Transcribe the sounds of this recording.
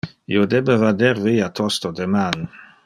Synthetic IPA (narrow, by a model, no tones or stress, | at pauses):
ḭod̪ɛbəvad̪ɛɾviːat̪ʰɔst̪od̪eman